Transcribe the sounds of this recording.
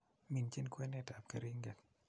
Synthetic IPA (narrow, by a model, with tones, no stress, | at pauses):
mi˨nt͡ʃi˦˨nkʰwɛ˦nɛ˦˧˨ta˨p̚ka˧ɾi˦ŋɡa˨k̚